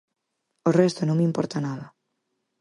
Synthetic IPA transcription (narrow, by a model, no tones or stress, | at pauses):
orɛst̪onõŋmimpɔɾt̪anaðɐ